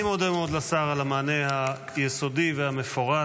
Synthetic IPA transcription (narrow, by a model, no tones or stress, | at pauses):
mod̪emeod̪lasaʁalamaːneha | jeso̞divehame̞foʁa